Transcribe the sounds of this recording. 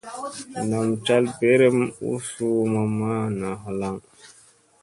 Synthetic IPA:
na˨mt͡ʃa˦lbe˦ɾe˦mṵ˦su˦ma˨ma˦na˨ɦo˨˦la˦ŋ

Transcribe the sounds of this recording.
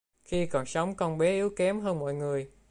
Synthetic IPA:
xi˧kɔ˨˩nsə˨˦wŋ͡mkɔ˧nɓe˨˦ʔi˨˦əwkɛ˨˦mɦəː˧nmɔ̰˧˨jŋɨ˨˩əj

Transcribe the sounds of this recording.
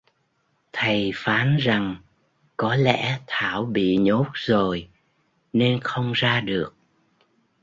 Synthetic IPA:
t̪ʰə˨˩jfaː˨˦nza˨˩ŋ | kɔ˨˦lɛ̰˧˥t̪ʰaː˧˩wɓḭ˧˨ɲo˦˥t̚zo˨˩j | ne˧nxə˧wŋ͡mzaː˧ɗɨ˨˩ək̚

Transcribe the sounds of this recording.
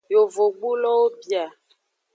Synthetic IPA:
jo˨vo˨ɡ͡bu˦lɔ˦o˦pja˨

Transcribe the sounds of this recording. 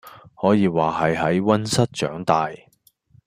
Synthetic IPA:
hɔː˨˥jiː˨˧waː˨ɦɐ˨jɦɐ˨˥jwɐ˥nsɐ˥t̚t͡ʃœ̰ː˨˥ŋt̪aː˨j

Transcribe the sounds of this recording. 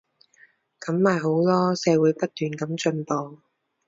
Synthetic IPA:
kɐ˨˥mːaː˨jɦo˨˥wlɔː˥sɛː˨˧wuː˨˥jpɐ˥t̚t̪yː˨nkɐ˨˥mt͡ʃɵ˧npo˨˧

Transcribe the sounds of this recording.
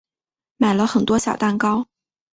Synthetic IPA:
ma˨˩ɪlə˦xə˨˩nt̪wɔ˥ɕjɑ˨˩ʊt̪a˥˩nkɑ˥ʊ

